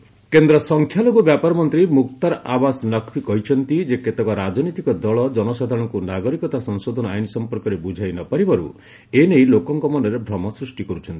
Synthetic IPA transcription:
kend̪ɾɔsɔŋkʰjaloɡubjapaɾɔmɔnt̪ɾimukt̪aɾabasɔnɔkʰpikɔɦit͡ʃʰɔnt̪id͡ʒeket̪ɔkɔɾad͡ʒɔnit̪ikɔd̪ɔɭɔd͡ʒɔnɔsad̪ʱaɾɔ̃ɽ̃ɔŋkunaɡɔɾikɔt̪asɔŋsod̪ʱɔnɔajnɔsɔmpɔɾkɔɾebud͡ʒʱajnɔpaɾibaɾṵ | enejlokɔŋkɔmɔnɔɾebʱɾɔmɔsɾusʈikɔɾut͡ʃʰɔnt̪i̥

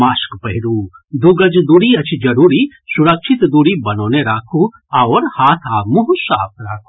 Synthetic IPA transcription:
maːskpɐɦiɾuːd̪uɡɐd͡ʒd̪uːɽiɐt͡ʃʰid͡ʒɐɾuːɾi | suɾɐkʃʰit̪d̪uːɽibɐnoːneɾaːkʰu | awɾhaːt̪ʰaːmuɦusaːp̚ʰɾaːkʰu̥

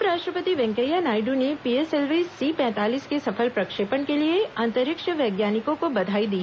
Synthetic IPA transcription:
ɾaːʃʈɾəpət̪iʋɛ̃ŋkəjanaːɪɖunepieselʋisːipɛ̃ːt̪aːliːskesɐfʰəlpɾɐkʃepəɳkelieãnt̪əɾɪkʃəʋɐːɡjaːnɪkõkobɐd̪ʱaːid̪i

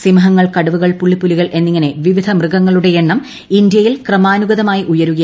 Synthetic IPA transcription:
simɐɦɐŋːɐɭkɐɽɐʋuɣɐɭpuɭːipːuliɣɐɭʔe̞nːiŋːɐne̞ʋiʋid̪ʱɐmrɨɡɐŋːɐɭuɽe̞jeɳːɐm | ind̪jɐjilkrɐmaːnuɡɐðɐmaːjiʔujɐɾuɣɐ

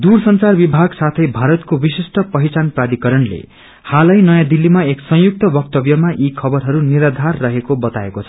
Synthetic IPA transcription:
d̪ursʌnt͡sarbibʱaɡsat̪ʰʌjbʱaɾʌt̪̚kobisisʈʌpʌɦit͡sanprad̪ikʌɾʌnlḛ | halʌjnʌjãd̪ilːimaeksʌ̃juk̚t̪ʌbʌk̚t̪ʌbjʌmaʔikʰʌbʌrɦʌɾuniɾʌd̪ʱarːʌɦekobʌt̪aekot͡sʰʌ̥

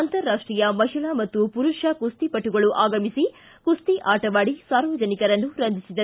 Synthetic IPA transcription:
ɐnt̪ɐɾːaːʂʈɾijɐmɐɦiɭɐmɐt̪ːupuɾuʂɐkust̪ipɐʈːuɡɐɭuʔaːɡɐmisi | kust̪iʔaːʈɐʋaːɽisaːɾʋɐd͡ʒɐnikɐɾɐnːuɾɐnd̪ʱisid̪ɐɾ

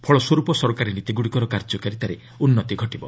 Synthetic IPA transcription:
pʰɔɭɔswɔɾupɔsɔɾɔkaɾinit̪iɡuɽikɔɾɔkaɾd͡ʒɔkaɾit̪aɾe | unːɔt̪iɡʱɔʈibɔ̰

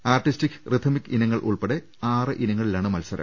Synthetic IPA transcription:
aːrʈːistikːrɨt̪ʰɐmikːinɐŋːɐɭʔṵɭpeɽe | aːrɨʔinɐŋːɐɭilaːɳɨmɐlsɐɾɐ̰m

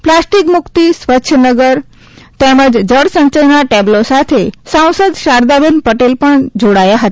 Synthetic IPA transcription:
plasʈikmʊkt̪isʋətːʃʰənəɡəɾ | t̪eməd͡ʒd͡ʒəɽsəɲt͡ʃənaʈeblosat̪ʰesãw̃səd̪ʃaɾd̪abenpəʈelpəɳd͡ʒoɽajaɦət̪

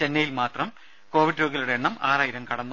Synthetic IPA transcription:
t͡ɕe̞nːɐjilmaːt̪rɐm | ko̞ːʋiɖɾoɣɐluɽeeɳːɐmaːraːjiɾɐmkɐɽɐnː

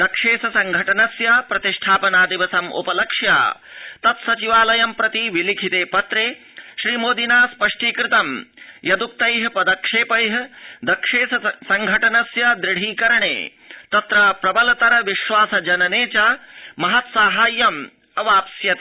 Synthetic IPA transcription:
d̪ɐkʂeːsɐsɐŋɡʱɐʈɐnɐsjɐpɾɐt̪iʂʈʰaːpɐnaːd̪iʋɐsɐmʔṵpɐlɐkʂja̰ː | t̪ɐt̪sɐt͡ʃiʋaːlɐjɐmpɾɐt̪iʋilikʰit̪eːpɐt̪ɾeː | ʃɾiːmoːd̪inaːspɐʂʈiːkɾɪt̪ɐmjɐd̪uk̚t̪ɐjɦɐpɐd̪ɐkʂeːpɐjɦɐd̪ɐkʂeːsɐsɐŋɡʱɐʈɐnɐsjɐd̪ɾɪɽ̤iːkɐɾɐɳḛː | t̪ɐt̪ɾɐːpɾɐbɐlɐt̪ɐɾɐʋiʃʋaːsɐd͡ʒɐnɐneːt͡ʃaːmɐɦɐt̪saːɦaːjːɐm | ɐʋaːpsjɐt̪

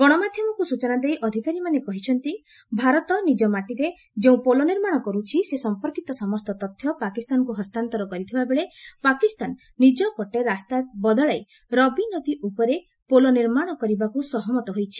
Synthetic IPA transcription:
ɡ̥ɔɽ̃ɔmad̪ʱjɔmɔkusut͡ʃɔnad̪ejʔɔd̪ʱikaɾimanekɔɦit͡ʃʰɔnt̪i | bʱaɾɔt̪ɔnid͡ʒɔmaʈiɾe | d͡ʒeũpolɔniɾmaɽ̃ɔkɔɾut͡ʃʰisesɔmpɔɾkit̪ɔsɔmɔst̪ɔt̪ɔt̪ʰːjɔpakist̪anɔkuɦɔst̪ant̪ɔɾɔkɔɾit̪ʰibabeɭepakist̪anː | id͡ʒɔpɔʈeɾast̪abɔd̪ɔɭaj | ɾɔbinɔt̪iʔupɔɾe | polɔniɾmaɽ̃ɔkɔɾibakusɔɦɔmɔt̪ɔɦojt͡ʃʰi̥

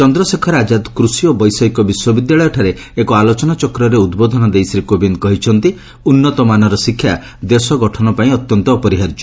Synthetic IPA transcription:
t͡ʃɔnd̪ɾɔsekʰɔɾad͡ʒad̪kɾusiobɔjsɔikɔbiswɔbid̪jaɭɔjɔʈʰaɾe | ekɔalot͡ʃɔnat͡ʃɔkɾɔɾeud̪bod̪ʱɔnɔd̪ejsɾikobinkɔɦit͡ʃʰɔnt̪i | unːɔt̪ɔmanɔɾɔsikʰːja | d̪esɔɡɔʈʰɔnɔpaĩɔt̪jɔnt̪ɔːpɔɾiɦaɾd͡ʒɔ

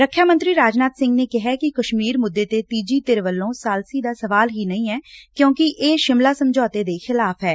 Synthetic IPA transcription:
ɾəkʰːjaːmə̃nt̪ɾiːɾaːd͡ʒnaːt̪sɪ̃ŋɡneːkɪɦɛːkɪkəʃmiːɾmʊd̪ːeːt̪eːt̪iːd͡ʒiːt̪ɪɾʋəlːõːsaːlsiːd̪aːsəʋaːlɦiːnəĩːɛːkjõːkɪʔeːʃɪmlaːsəmd͡ʒɔːt̪eːd̪eːxɪlaːpʰɦɛː

